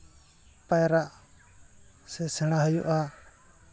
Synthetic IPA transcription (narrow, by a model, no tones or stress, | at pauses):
pajɾaʔ | sɛsɛɽ̃aɦəjṵʔa